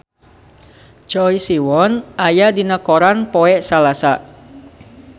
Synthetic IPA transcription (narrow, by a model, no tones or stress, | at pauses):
t͡ʃɔisiwɔnajadinəkoɾanpoɛʔsalasaʔ